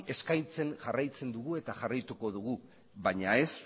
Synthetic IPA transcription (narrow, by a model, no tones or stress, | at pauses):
e̞skajt͡se̞nʝarajt͡se̞nd̪uɣue̞t̪aʝarajt̪uko̞ð̞uɣ̞u | βaɲae̞s